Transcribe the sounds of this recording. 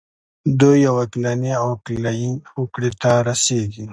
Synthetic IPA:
d̪ojawɐklaneoːklajinukɽet̪aɾɐseɡi

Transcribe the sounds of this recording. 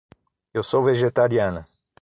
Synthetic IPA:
ewsowveʒet̪aɾianɐ

